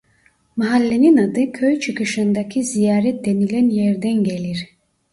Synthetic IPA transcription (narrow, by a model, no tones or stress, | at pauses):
maɦalʲːeninad̪ɯkʰøjt͡ʃʰɯkɯʃɯnd̪acʰizijaːɾɛt̪̚d̪e̞nilʲænjɛɾd̪ænɟeliɾ̥